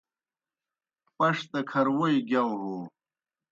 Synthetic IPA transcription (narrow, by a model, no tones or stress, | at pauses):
pɐʂt̪ɐkʰɐɾwojiɡjawɦo